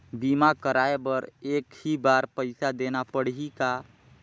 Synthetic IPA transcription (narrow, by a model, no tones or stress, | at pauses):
bimakəɾaːebəɾeːkhibaɾpəɪsad̪eːnapəɽ̤ɦika